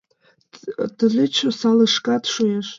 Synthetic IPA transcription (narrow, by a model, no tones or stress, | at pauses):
d̥ɮʷɨt͡ʃʷʰosalɨʂkʼadʂojaʂ